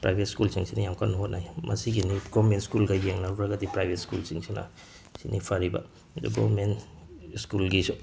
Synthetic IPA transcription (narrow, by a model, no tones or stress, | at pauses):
pɾajbʱetskulsiŋsinajamkʰanuɦot̚najmɐ̰siɡiniɡomenskulɡajeŋnaɾbɾaɡadipɾajbʱetskulsiŋsina̰ | sinʔḭpʰaɾiba̰ | dṵɡɾo̰men | skulɡisu